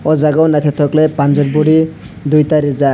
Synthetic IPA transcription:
ɔd͡zaɡawnat̪ʰet̪ʰoklepand͡zɔɾbuɽi | d̪ujt̪aɾid͡za

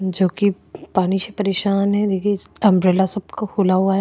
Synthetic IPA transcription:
d͡ʒoːki | paːniʃepɐɾeːʃaːnɦɛ̃d̪eːkʰieɐ̃mɾeːlasɐbkakʰulaɦuaːja

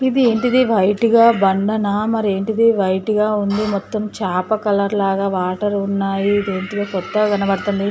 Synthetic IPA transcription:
id̪ie̞ːɳʈid̪iʋɐjʈiɡaːbɐɳɖɐnaːmɐɾie̞ːɳʈid̪iʋɐjʈiɡaːund̪imɔt̪ːɐmt͡ʃaːpɐkɐlɐɾlaːɡaːʋaːʈɐɾunːaːjiːd̪e̞ːnʈid̪ɐːkɔt̪ːɐɡɐnɐbɐɽɐt̪und̪i

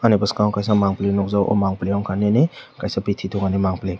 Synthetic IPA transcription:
anipaskakajsamaŋplinɔk̚zawʔɔ̰maŋpliawŋkʰanenekajsapitʰitʰɔŋanemaŋple

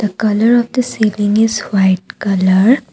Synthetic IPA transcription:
d̪̥əkɐləɾɔʋd̪əseːlɪ̃ŋɡɪzwaɪʈ̚kɐləɾ

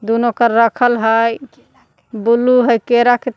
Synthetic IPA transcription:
d̪unokəɾːəkʰəlɦəj | buluɦəjkeɾake

